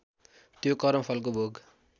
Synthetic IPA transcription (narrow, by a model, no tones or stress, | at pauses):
t̪jokʌɾʌmpʰʌlk̬obʱoɡ